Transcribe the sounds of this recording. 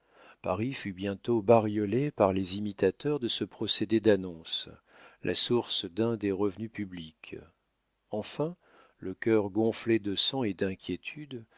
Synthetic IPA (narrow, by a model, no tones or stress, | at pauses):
pa̰ʁifybjɛ̃t̪obaʁjɔlepaʁlezimit̪at̪œʁd̪əsəpχɔsed̪ed̪anɔ̃s | lʔa̰suʁsd̪ɛ̃d̪eʁəvnypyblik | ɑ̃fɛ̃ | ləkʲœʁɡɔ̃fled̪əsɑ̃ed̪ɛ̃kʲjet̪ʰyd̪